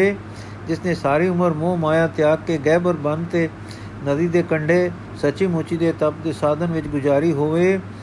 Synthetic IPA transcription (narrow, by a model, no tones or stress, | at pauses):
eː | d͡ʒɪsneːsaːɾiːʊməɾmõːmaːjaːt̪ɪjaːkːeːɡɛːbəɾbə̃nd̪t̪eː | nəd̪iːd̪eːkəɳɖeː | sət͡ʃiːmõːt͡ʃiːd̪eːt̪əpd̪eːsaːd̪ənʋɪt͡ʃɡʊd͡ʒaːɾiːɦoːʋeː